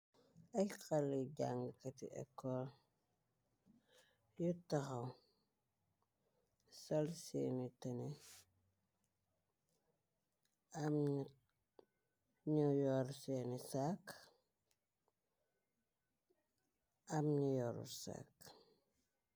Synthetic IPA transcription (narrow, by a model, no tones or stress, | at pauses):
ɐjkalːiɟaŋɡəkɐtḭʔɛ̰kːɔl | jutɐxɐw | sɐlsḛːnitɐni | am | ɲujɔɾseːnisak | ɐmɲijɔɾṵsa̰k